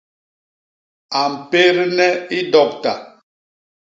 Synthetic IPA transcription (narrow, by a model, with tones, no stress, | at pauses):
a˨m̩˨pe˦ɾnɛ˦i˦dɔ˦˨k̚ta˨